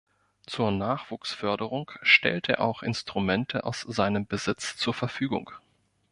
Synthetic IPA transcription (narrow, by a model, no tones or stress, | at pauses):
t͡suːɐnaːχv̥uːksfœɐdəʁ̞ʊŋʃtɛ̰ltʰə̰ɐʔa̰ʊxʔɪnstʁ̥umɛntʰəʔaʊsz̥aɪnəmbəzɪt͡st͡suːɐfɛɐfyːɡʊ̰ŋ